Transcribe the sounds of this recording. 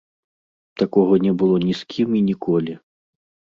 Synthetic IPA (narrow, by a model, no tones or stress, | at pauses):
t̪akɔɣɐnʲɛbɨlˠɔnʲiskʲʰiminʲikɔlʲi